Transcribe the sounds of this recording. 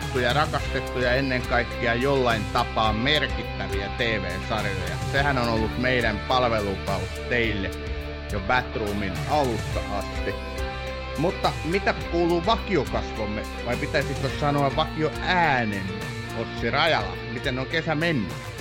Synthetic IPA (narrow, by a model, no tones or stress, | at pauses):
t̪ːujɑrɑkɑst̪et̪ːujɑenːeŋkɑikːiɑjolːɑint̪ɑpɑːmmerkit̪ːæʋiæt̪eːʋḛːsɑrilɑ̰jɑ̰sehænonolːut̪meiɾæmpɑlʋelukɑust̪eilːe | jobæt̪ruːminɑlusːɑʔɑst̪i | mut̪ːɑmit̪ækuːlˑuːʋɑkiokɑsʋomːe | ʋɑipit̪æisik̪ːossɑnoɑʋʋɑkioʔæːnen | ot̪sirɑjɑlɑ̰mit̪enoŋkesæmenːy